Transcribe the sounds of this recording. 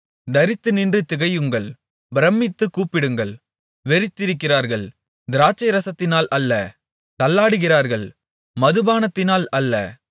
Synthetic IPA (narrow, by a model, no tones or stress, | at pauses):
d̪ɐɾɪt̪ːɯnɪndrɯt̪ɪɣɐjɯŋɡɐɭ | bɪɾɐmːɪt̪ːɯkːuːpːɪɽɯŋɡɐɭ | ʋɛɾɪt̪ːɪɾɯkːɪraːɾɣɐɭ | d̪ɪɾaːt͡ʃːɐɪɾɐsɐt̪ːɪnaːlʔɐlːɐ | t̪ɐlːaːɽɯɣɪraːɾɣɐɭ | mɐðɯbaːnɐt̪ːɪnaːlɐlːɐ̰